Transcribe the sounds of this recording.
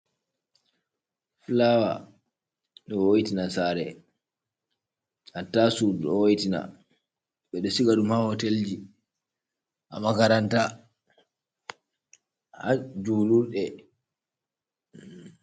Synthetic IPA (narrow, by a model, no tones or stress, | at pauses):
flawa | ɗɔwojitinasaɾɛ | hatːasudɔwojitina̰ | ɓɛɗɔsiɡaɗumhahɔteld͡ʒi | ʔa̰makaɾanta | had͡ʒuːluɾɗɛ